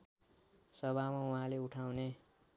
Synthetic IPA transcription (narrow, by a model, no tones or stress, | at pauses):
sʌβʱamauɦãleuʈʰawne